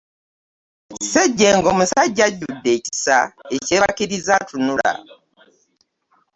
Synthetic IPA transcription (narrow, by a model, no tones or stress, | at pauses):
seɟːeːŋɡoːmusaɟːaɟudːe̞ːci̥saeceːβakiɾizatʰunula̰